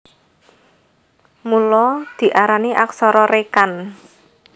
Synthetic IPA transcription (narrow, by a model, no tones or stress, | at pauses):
mulɔd̪̥i̤ʔaɾaniʔaksɔɾɔɾekan